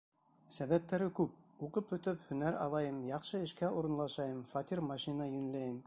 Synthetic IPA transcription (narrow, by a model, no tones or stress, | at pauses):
sæβæp̚t̪æɾɘkʉp̚uqɤpːɵ̆t̪ɘphɵ̆næɾɑ̰lˠɑjɤmjɑqʃɤɘ̆ʃkæʔuɾɤ̆nlˠɑʃɑjɤmfɑt̪ʲirmɑʃinɑjʉ̆nlæjɘm